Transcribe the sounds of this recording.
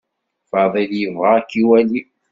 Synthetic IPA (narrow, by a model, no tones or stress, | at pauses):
fɑðˤiljəvʁɑkːiwæli